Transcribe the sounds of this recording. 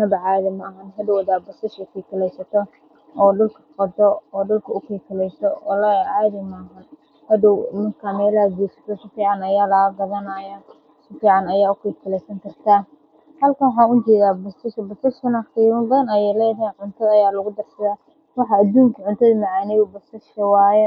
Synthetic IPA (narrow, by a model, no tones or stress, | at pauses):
nɐbɐʕɑːðɐmɐɐɦɐnɦɐdɔwðabɐst̪ɐʃɐkʰiːkʰɐlɛjsɐt̪ʰɔ | ɔːɖʊlkʰɐ̥qɐd̪ɔɔːɖʊlkʰɐʊkʰiːkʰɐlɛjsɔɔːlɐʕaːðɐmɐɐɦɐn | hɐdɔwmɐrkʰaːmɛːlɐɡiːsɐ̥t̪ʰɔʃɐfiːʕɑnɐjaːlɐɐɡɐðɐnajɐ | ʃɐfiːʕɑnɐjaːʊkʰiːkʰɐlɛjsɐŋkʰɐrt̪ʰaː | hɐlkʰɐwħɑːnʊt͡ʃɛːðaːbɐsɐʃbɐsɐʃkʊnɐχiɾbɐðɐnɐjɛjlɛːjɦɛnʕʊnt̪ʰɐðɐɐjaːlɐɣʊd̪ɐrsɐðaː | wɑħɑːd̪uːŋkʰɐʕʊnt̪ʰɐðɐmaʕaːnɛjʊbɐsɐʃɐwaːjɛ